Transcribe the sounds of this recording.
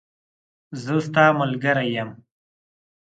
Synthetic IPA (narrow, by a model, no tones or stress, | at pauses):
zəst̪ɑːmʊlɡaɾajam